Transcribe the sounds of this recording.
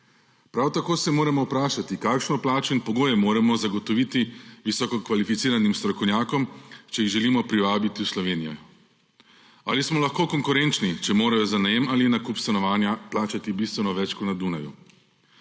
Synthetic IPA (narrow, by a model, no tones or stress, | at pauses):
pɾawt̪akoːsɛmoːɾɛmɔwpɾaːʃat̪ikaːkʃnɔplaːt͡ʃɛnpɔɡoːjɛmoːɾɛmɔzaɡɔt̪ɔʋit̪iʋisɔkɔkʋalifit̪siːɾanimst̪ɾɔkɔwnʲjaːkɔmt͡ʃɛjiɣʒɛlimɔpɾiʋaːbit̪iwslɔʋeːnijɔ̰ | a̰ːlismɔlaxkoːkɔŋkuɾɛnt͡ʃnit͡ʃɛmoːɾajɔzanajemalinakupst̪anɔʋaːnjaplaːt͡ʃat̪ibist̪ʋɛnɔʋɛt͡ʃkɔnad̪unajṵ